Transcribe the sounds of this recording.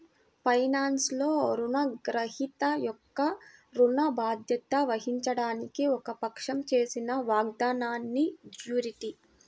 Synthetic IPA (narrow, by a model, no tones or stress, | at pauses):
pʰɐjnaːnslo̞ːɾunɐɡɾɐhit̪ɐjɔkːɐɾuɳɐbaːd̪jɐt̪ɐʋɐɦiɲt͡ʃɐɽaːnikiɔkɐpɐkʂɐmt͡ʃeːsinɐʋaːɡ̚d̪aːnaːnːid͡ʒjuːɾiʈi